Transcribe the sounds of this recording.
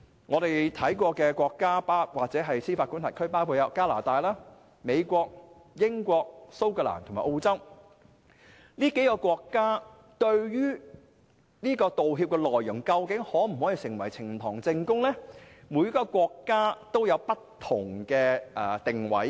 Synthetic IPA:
ŋɔː˨˧ɾe˨jt̪ʰɐ˨˥jkʷɔː˧kɛː˧kʷɔː˧kːaː˥paː˥waː˨k̚t͡sɛː˨˥ɦɐ˨jsiː˥faː˧kuː˥nʰaː˨˩kʰɵ˥ɥpaː˥wkʰu˧jɐ˨˧˥kaː˥la̰ː˨˩t̪aː˧jlaː˥ | me˨˧jkʷɔː˧k̚ | jɪ˥ŋkʷɔː˧k̚so˥wkœ˧la̰ː˨˩nt̪ʰmaː˨ʔo˧wt͡sɐ˥w | niː˥ke˨˥jkɔː˧kʷɔː˧kːaː˥ | t̪ɵ˧ɥjyː˥ | niː˥kɔː˧t̪o˨wɦiː˧p̚kɛ˧lɔː˨jjʊ˨˩ŋkɐ˧wkɪ˨˥ŋhɔː˨˥m̩˨˩hɔ˨˥jiː˨˧sɪ˨˩ŋwɐ̰˨˩jt͡sʰɪ˨˩ŋt̪ʰɔː˨˩ŋt͡sɪ˧ŋkʊ˥ŋlɛ˥mu˨˧jɐ˥kːɔː˧kʷɔː˧kːaː˥t̪o˥wjɐ˨˧wpɐ˥t̪ʰːʊ˨˩ŋkɛː˧ʔɛ˨˩t̪ɪ˨ŋwɐ̰˨˥j

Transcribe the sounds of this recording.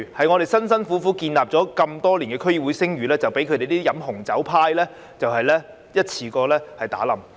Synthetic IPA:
hɐ˨jŋɔː˨˧ɾe˨˩jsɐ˥ns̬ɐ˥nfu˨˥fuː˨˥kiː˧nlaː˨p̚t͡sɔː˨˧˥kɐ˧mt̪ɔː˥liː˨˩kɛː˧kʰɵ˥ji˧˩wu˨˥jsɪ˥ŋjyː˨lɛː˥t͡sɐ˨˩wpe˨˥kʰɵ˧d̪e˨jt̪iː˥jɐ˨˥mɦʊ˨˩ŋt͡sɐ˨˥wpʰaː˧jlɛː˥ | t͡sɐ˨whɐ˨jlɛː˥ | jɐ˥t̚t͡sʰiː˧kɔː˧lɛː˥hɐ˨jt̪a̰ː˨˥lɐ˨m

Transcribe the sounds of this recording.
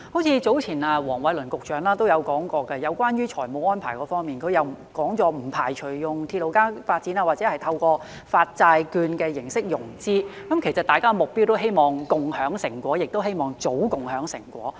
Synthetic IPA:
ho˨˥wt͡sʰiː˧t͡so˨˥wt͡sʰiː˨˩naː˧wɔː˨˩ŋwɐ˨˥jlɵ˨˩nkʊ˨k̚t͡ʃœː˨˥ŋlaː˥t̪o˥wjɐ˨˧wkɔː˨˥ŋkɔː˧kɛ˧jɐ˨˧wkʷwaː˥nɥyː˥t͡ʃʰɔː˨˩jmo˨˥wɔː˥npʰaː˨˩jkɔː˧fɔː˥ŋmiː˨nkʰɵ˨˧jɐ˨˩wkɔː˨˥ŋt͡ʃɔː˨˧m̩˨˩pʰaː˨˩jt͡ʃʰɵ˨˩jʊ˨ŋt̪ʰiː˧t̚lo˨˧wkaː˥faː˧t̚t͡siː˨˥naː˧waː˨t̚t͡sɛː˨˥hɐ˨jt̪ʰɐ˧wkʷɔː˧ | faː˧t̚t͡saː˧jkyː˧nkɛː˧jɪ˨˩ŋsɪ˥k̚jʊ˨˩ŋt͡siː˥kɐ˨˥mkʰe˨˩jsɐ˨t̚t̪aː˨jkaː˥˧mʊ˨k̚pi˥wt̪o˥wɦe˥jmɔː˨ŋkʊ˨ŋhœː˨˥ŋsɪ˨˩ŋkʷɔː˨˥jɪ˨k̚t̪o˥whe˥jmɔː˨˩ŋt͡so˨˥wkʊ˨ŋhœː˨˥ŋsɪ˨˩ŋkʷɔ̰ː˨˥

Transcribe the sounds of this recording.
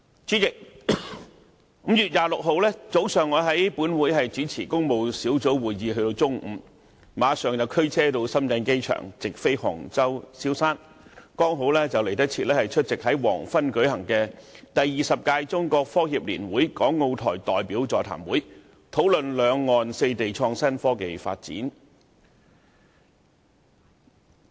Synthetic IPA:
t͡syː˨˥jɪ˨k̚ | m̩˨˥mjyː˨t̚jaː˨˩lʊ˨k̚ɦo˨˧wlɛː˥t͡so˨˥wsœː˨˩ŋːɔː˨˧ɦɐ˨˥jpuː˨˥nwuː˨˥jhɐ˨jt͡siː˨˥t͡sʰḭː˨˩kʊ˥ŋmo˨wsiː˨˥wt͡so˨˥wwuː˨jːiː˧ɦɵ˧t̪o˧wt͡sʊ˥ŋʔ̩˨˧˥m | maː˨˧sœː˨ŋjɐ˨˧wkʰɵ˥ɥt͡sʰɛː˥t̪o˧wsɐ˥mt͡sɐ˧nke˥jt͡ʃʰœ̰ː˨˩ŋt͡sɪ˨k̚fe˥jhɔ̰˨˩ŋt͡sɐ˥wsiː˥wsaː˥n | kɔː˥ŋɦo˨˥wlɛː˥t͡sɐ˨wle˨˩jt̪ɐ˥t͡sʰiː˧t̚lɛː˥hɐ˨jt͡ʃʰɵ˥t̚t͡sɪ˨k̚hɐ˨˥jwɔ̰ː˨˩ŋfɐ˥nkɵ˨˥ɥhɐ˨˩ŋkɛː˧t̪ɐ˨jːiː˨˩sɐ˨p̚kaː˧jt͡sʊ˥ŋkɔː˧k̚fɔː˥hiː˨p̚lḭː˨˩nwuː˨˥jkɔː˨˥ŋːo˧wt̪ʰɔ̰ː˨˩jt̪ɔː˨jpiː˨˥wt͡sɔː˨˩t̪ʰa̰ː˨˩mwuː˨˥j | t̪ʰo˨˥wlɵ˨nlœː˨˧ŋːɔː˨nse˧jt̪e˨jt͡ʃʰɔː˧ŋsɐ˥nfɔː˥ke˨jfa̰ː˧t̚t͡sḭː˨˥n

